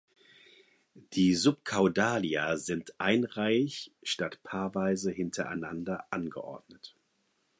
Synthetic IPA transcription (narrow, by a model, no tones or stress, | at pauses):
d̥iːzʊp̚kʰaʊdaːliazɪntʔaɪnʁaɪçʃtatpʰaːɐvaɪzəhɪntʰɐʔa̰ɪnandɐʔanɡə̰ʔɔ̰ɐd̥nət